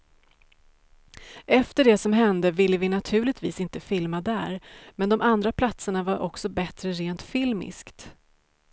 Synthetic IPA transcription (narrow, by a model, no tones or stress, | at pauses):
ʔɛft̪əɖɛsɔmɦɛnd̪əvɪlːəvɪnat̪ʰʉ̟ːɭɪt̪vḭːsɪnt̪əfɪlmad̪æ̰ːɾmɛnd̪ɔmʔand̪ɾapʰlat̪səɳavaɾʔɔ̰ksɔbɛt̪ɾəɾeːnt̪fɪlmɪ̰skt̪